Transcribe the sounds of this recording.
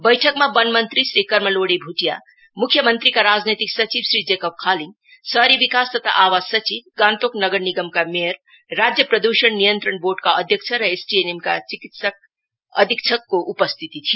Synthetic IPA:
bəjʈʰəkmabənmənt̪ɾisɾikəɾməloɽibʱuʈija̰ | mukʰjəmənt̪ɾikaɾad͡ʒnet̪iksət͡ʃibsɾid͡ʒekəp̚kʰalĩŋ | səɾiʋikast̪ət̪ʰa̰ʔaʋazsət͡ʃibɡãnt̪oknəɡəɾniɡəmkameəɾː | ad͡ʒjəpɾəd̪uʃəɳnijənt̪ɾəɳboɖkaəd̪ʱjək̚t͡ʃʰəɾəesʈienemka̰t͡ʃikit̪sək | ə̰d̪ʱik̚t͡ʃʰəkːoʔupəst̪ʰit̪it̪ʰi

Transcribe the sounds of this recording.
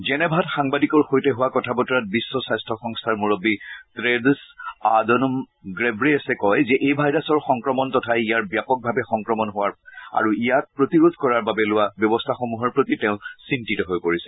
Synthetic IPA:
zɛnɛbʱatxaŋbadikɔɹxojtɛɦʊwakɔtʰabɔtɔɹat̚bisːɔsajstʰɔxɔŋstʰaɹmuɹɔbitɹedsadɔnɔm | ɡɹebɹiasɛkɔjzɛʔejbʱajɹasɔɹxɔŋkɹɔmɔntɔtʰajijaɹbjapɔk̚bʱabɛxɔŋkɹɔmɔnɦʊwaɹa̰ɹuijat̚pɹotiɹodʱkɔɹaɹbabɛlʊwabjɔbɔstʰaxomuɦɔɹpɹotitɛʊ̃sintitɔɦojpoɹisɛ̥

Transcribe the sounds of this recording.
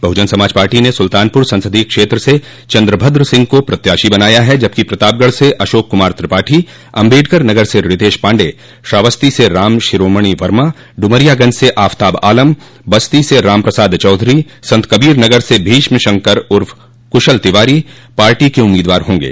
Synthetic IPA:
bʱɐɦʊd͡ʒənsɐmaːd͡ʒpaːɾʈinesʊlt̪aːnpʊɾsɐ̃nsəd̪ikʃeːt̪ɾəse | t͡ʃɐ̃nd̪ɾəbʱəd̪ɾsɪ̃ŋɡ̚kopɾɐt̪jaːʃibɐnaːjaɦɛd͡ʒɐb̚kipɾɐt̪aːb̚ɡəɭseʔɐʃoːkːʊmaːɾt̪ɾɪpaːʈʰi | ɐ̃mbeːɖkəɾnɐɡəɾseɾɪt̪eːʃpãːɳɖeː | ʃaːʋəst̪iseɾaːmʃɪɾoːməɽ̃iʋɐɾma | ɖʊməɾijaɡɐ̃nd͡ʒseʔaːft̪aːbaːləm | bɐst̪iseɾaːmpɾɐsaːd̪t͡ʃɔːd̪ʱɾi | sɐ̃nt̪kɐbiːɾnɐɡəɾsebʱiːʃmʃɐ̃ŋkəɾʊɾf | kʊʃəlt̪ɪʋaːɾi | paːɾʈikeʊmːiːd̪ʋaːɾɦõːŋɡḛː

